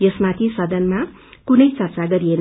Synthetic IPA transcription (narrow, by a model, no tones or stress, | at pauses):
jʌsmat̪ʰisʌd̪ʌnma | kunʌjt͡sʌrt͡saɡʌɾien